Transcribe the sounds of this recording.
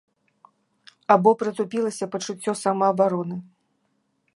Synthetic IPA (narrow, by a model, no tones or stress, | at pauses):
abɔpɾɨt̪upʲilˠɐsʲɐpɐt͡ʂut͡sʲːɔsamɐːbaɾɔnɨ